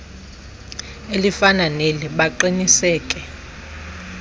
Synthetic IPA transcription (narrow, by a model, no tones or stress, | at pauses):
elifananeliɓaǃinisɛːkʼɛ